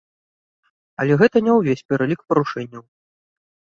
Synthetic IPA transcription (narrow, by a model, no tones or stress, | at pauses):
ɐlʲɛɣɛt̪ɐnʲɛwvʲesʲpʲɛɾɐlʲikpɐɾuʂɛnʲːɐw